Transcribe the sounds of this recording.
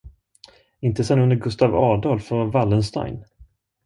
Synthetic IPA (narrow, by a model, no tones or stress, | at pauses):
ɪnt̪əsɛnːɵnd̪əɾɡɵst̪avɑːd̪ɑːlfœɾvalːənst̪a̰jn